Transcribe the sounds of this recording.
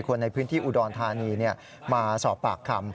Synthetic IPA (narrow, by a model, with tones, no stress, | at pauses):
kʰo˧nːa˧jpʰɯː˦˥nt̪ʰiː˥˩ʔu˨˩dɔː˧nt̪ʰaː˧niː˧ni˥˩ɐ | maː˧sɔː˩˦pːaː˨˩kʰːa˧m